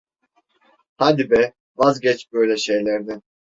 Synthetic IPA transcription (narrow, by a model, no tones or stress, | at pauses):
had̪ibɛ | vazɟɛt͡ʃbøjlʲɛʃe̞jlʲæɾd̪ɪ